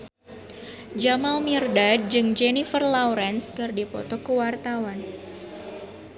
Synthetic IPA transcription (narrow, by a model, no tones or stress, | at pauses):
d͡ʒamalmirdad̚d͡ʒɨŋd͡ʒɛnifərlawɾɛnskɨrdipɔ̰t̪ɔkəwart̪awan